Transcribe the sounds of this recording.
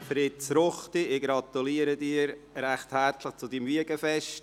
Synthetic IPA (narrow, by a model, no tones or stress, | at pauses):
fɾɪtt͡sɾʊχtiɪɡɾɑt̪uliəɾədiːɾɾæχthæɾtləχt͡sʊdimviəɡəfɛʃt